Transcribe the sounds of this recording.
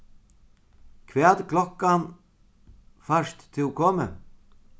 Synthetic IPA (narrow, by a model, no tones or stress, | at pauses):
kʰvɛːt̪kʰlɔkːan | faʂt̪ʰːɪlkʰoːmə̰